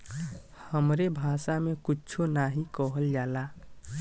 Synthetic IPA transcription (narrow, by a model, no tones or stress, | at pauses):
həmɾebʱasamekʊt͡ʃʰonaɦikəɦəld͡ʒaːla